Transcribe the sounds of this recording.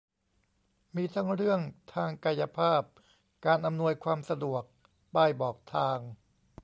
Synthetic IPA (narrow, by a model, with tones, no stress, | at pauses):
miː˧t̪ʰa˦˥ŋɾɯ˥˩əŋt̪ʰaː˧ŋka˧ja˧pʰaː˥˩p̚ | kaː˧nʔa˧mnu˧əjkʰwaː˧msa˧du˨˩ək̚ | baː˥˩jbɔː˨˩k̚t̪ʰaː˧ŋ